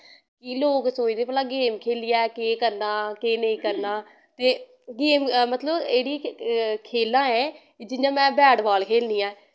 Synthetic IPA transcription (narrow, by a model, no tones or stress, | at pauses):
kɪloːksoːid̪eːpəlãːɡeːmkʰeːlɪjaːkeːkəɾnaːkeːnəĩːkəɾnaː | t̪eː | ɡeːmmət̪ləbeːɽiːkʰeːlːãːɛ̃ː | d͡ʒɪjãːmɛ̃ːbɛːɖbaːlkʰeːlnijãː